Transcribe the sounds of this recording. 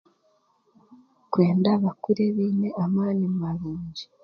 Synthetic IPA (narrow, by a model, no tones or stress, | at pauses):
kwe̞ːndaβakuɾeβiːne̞amaːnimumaβiːɲɟi̥